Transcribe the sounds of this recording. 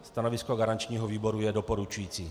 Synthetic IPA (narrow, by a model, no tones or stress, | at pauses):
st̪anovɪskoɡaɾant͡ʃɲiːɦoviːbo̞ɾujɛdo̞po̞ɾut͡ʃujiːt͡siː